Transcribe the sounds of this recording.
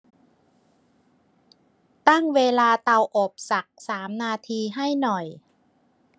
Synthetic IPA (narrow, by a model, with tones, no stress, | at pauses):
t̪a˥˩ŋweː˧laː˧t̪a˧wʔo˨˩p̚sa˨˩k̚saː˩˦mnaː˧t̪ʰiː˧ɦa˥˩jnɔ˨˩j